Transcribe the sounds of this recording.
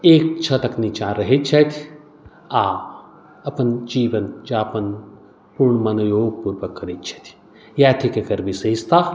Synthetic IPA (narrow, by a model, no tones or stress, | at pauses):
eːk̚t͡ʃʰɐt̪ɐknit͡ʃãːɾɐɦit̪̚t͡ʃʰɐt̪ʰ | aː | ɐpənd͡ʒiːʋɐnd͡ʒaːpən | puɾɳmɐnujoːɡ̚puɾʋəkːɐɾit̪̚t͡ʃʰɐ̥t̪ʰ | jaːt̪ʰikekɐɾbisɐɦist̪aː